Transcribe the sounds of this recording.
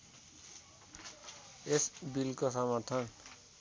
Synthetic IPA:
esbilkosʌmʌɾt̪ʰʌn

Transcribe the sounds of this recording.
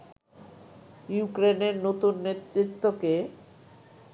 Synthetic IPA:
jukɾeneɾnot̪unːet̪ɾit̪ːoke

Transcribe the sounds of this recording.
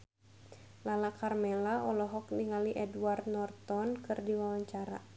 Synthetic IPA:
lalakarmɛlaʔɔlɔɦɔk̚niŋaliʔɛduart̪nɔrt̪ɔnkɨrdiwawaɲt͡ʃaɾa̰

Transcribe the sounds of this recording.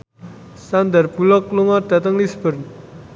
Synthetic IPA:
sand̪ərbulɔk̚luŋɔrd̪̥a̤t̪əŋlisbərn

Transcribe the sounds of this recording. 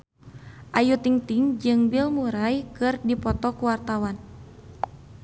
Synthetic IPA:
ʔajut̪iŋt̪iŋd͡ʒɨŋbilmuɾajkɨrdipɔt̪ɔkuwart̪awan

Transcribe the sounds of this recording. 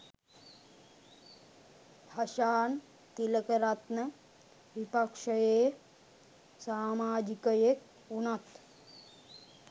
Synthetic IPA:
hɐʃaːn | t̪iləkəɾat̪nə | ʋipakʂəjeː | saːmaːd͡ʒikəjek | unat̪

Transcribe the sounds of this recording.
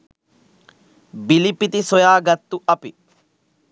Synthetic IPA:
bilipit̪isojaːɡɐt̪ːuʔɐpi

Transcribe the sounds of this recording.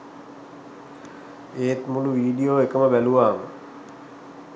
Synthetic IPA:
eːt̪muluʋiːɖijoːekəməbæluʋaːmə̰

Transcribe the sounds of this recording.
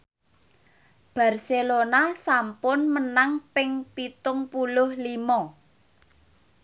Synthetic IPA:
b̥a̤rselonasampʊnmənaŋpɪŋpit̪ʊŋpulʊhlimɔ

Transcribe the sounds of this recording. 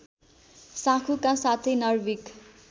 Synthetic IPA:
sãkʰukãsat̪ʰʌjnʌrwik

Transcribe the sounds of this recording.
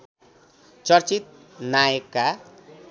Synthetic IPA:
t͡sʌrt͡sit̪̚ | najʌkːa

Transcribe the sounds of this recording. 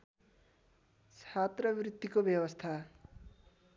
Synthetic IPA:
t͡sʰat̪rʌbrit̪ːikobjʌbʌst̪ʰa

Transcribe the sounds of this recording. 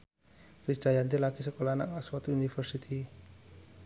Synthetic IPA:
kɾisd̪̥ajant̪elaɡ̥isəkolana̰ʔŋaswat̪unifərsit̪ʰi

